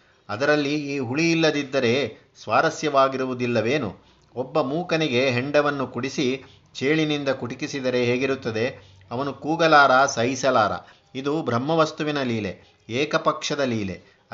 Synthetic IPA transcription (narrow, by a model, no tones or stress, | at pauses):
ɐd̪ɐɾɐlːiiːɦuɭiːlːɐd̪id̪ːɐɾe̞ | sʋaːɾɐsjɐʋaːɡiɾuʋud̪ilːɐʋe̞ːnṵ | ɔbːɐmuːkɐniɡe̞ɦeɳɖɐʋɐnːukuɽisi | t͡ʃe̞ːɭinind̪ɐkuʈikisid̪ɐɾe̞ɦeːɡiɾut̪ːɐd̪e̞ | ɐʋɐnukuːɡɐlaːɾasɐjsɐlaːɾɐ̰ | id̪ubʱɾɐmːɐʋɐst̪uʋinɐliːle̞ | eːkɐpɐkʂɐd̪ɐliːlḛ